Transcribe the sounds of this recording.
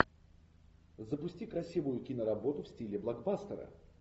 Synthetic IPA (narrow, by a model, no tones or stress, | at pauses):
zəpʊsʲtʲikɾɐsʲivʊjʊkʲinəɾɐbo̞t̪ʊfsʲtʲilʲɪblˠaɡbast̪əɾə̰